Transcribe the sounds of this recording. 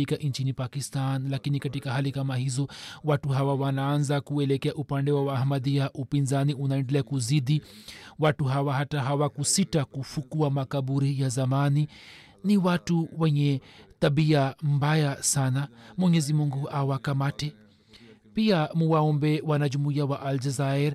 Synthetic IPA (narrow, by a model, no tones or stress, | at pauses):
ikaʔiɲt͡ʃinipakistanlakinikatikahalikamahizɔwatuɦawawanaanzakuɛlɛkɛaʔupandɛwawaːhmadiaʔupinzaniunaɛndɛlɛakuziɗiwatuɦawaɦataɦawakusitakufukuamakabuɾijazamani | niwatuwɛɲɛt̪abiambajasanamwɔɲɛzimuŋɡuʔawakamaʈɛ | piamuwaɔmbɛwanad͡ʒumuijawaʔald͡ʒɛzaɛɾ